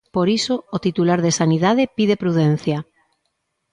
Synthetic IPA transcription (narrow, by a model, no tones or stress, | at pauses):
poɾisoːt̪it̪ulaɾðesaniðað̞epiðepɾuðen̟θja